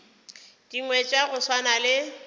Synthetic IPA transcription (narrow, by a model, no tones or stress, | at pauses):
d̥iŋwɛt͡ʃʼaɣʊswanalɪ